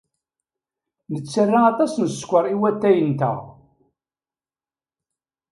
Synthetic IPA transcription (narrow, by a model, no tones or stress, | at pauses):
nət͡sːərːaæt̪æsnəskʷːəɾˤiwæt̪ːæjənt̪æ̰